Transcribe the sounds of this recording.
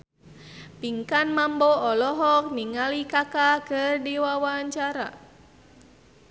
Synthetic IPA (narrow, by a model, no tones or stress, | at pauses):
piŋkanmamboɔlɔɦɔk̚niŋalikakakərdiwawaɲt͡ʃaɾa̰